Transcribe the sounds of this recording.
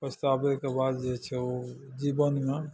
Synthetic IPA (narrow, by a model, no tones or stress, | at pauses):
pəst̪abekebad̪d͡ʒet͡ʃʰɛo | d͡ʒibənme